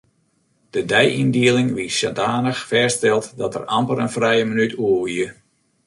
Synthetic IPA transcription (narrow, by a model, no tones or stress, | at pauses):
d̥ədɛjindiəlɪŋʋissadaːnəxfɛːstɛlˠtdɔtə̰rampələnfrɛjəmənytʰuəʋiə